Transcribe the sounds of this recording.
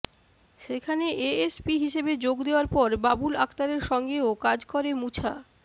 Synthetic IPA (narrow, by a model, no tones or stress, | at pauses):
ʃekʰaneʔeespiɦiʃebed͡ʑoɡd̪eoaɾpɔɾbabulak̚t̪aɾeɾʃɔŋɡeokad͡ʑkoɾemut͡ɕʰa